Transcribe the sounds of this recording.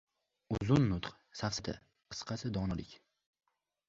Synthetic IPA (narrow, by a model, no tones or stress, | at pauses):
ʊzʊnːʊt̪q | safsɪd̪a̰ | qʰɨ̥sqʰɑsɪd̪ɒnɒlɪkʲ